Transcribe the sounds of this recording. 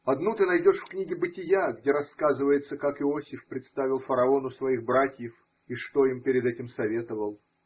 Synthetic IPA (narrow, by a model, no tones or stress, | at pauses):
ɐd̪nut̪ɨnɐjdʲo̞ʂfknʲiɡʲɪbɨtʲɪjaɡdʲe̞ɾɐskazɨvəjɪt̪səkakɪosʲɪfpɾʲɪt̪st̪avʲɪlˠfəɾɐo̞nʊsvɐiɣbɾatʲjɪf | iʂt̪o̞impʲɪɾʲɪd̪ɛtʲɪmsɐvʲe̞t̪əvəlˠ